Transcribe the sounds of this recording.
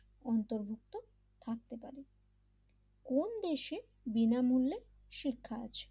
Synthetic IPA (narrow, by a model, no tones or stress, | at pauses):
ɔnt̪oɾbʱuk̚t̪o | t̪ʰak̚t̪epaɾe | kond̪eʃe | binamulːe | ʃikʰːaa̰t͡ɕʰe̥